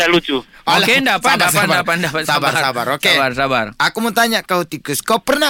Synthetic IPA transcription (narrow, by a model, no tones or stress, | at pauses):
dalut͡ʃuolkendapadasabadapadapat̪sabarsabaɾokaebarsabarakumət̪aɲaʔkaut̪ikuskapərna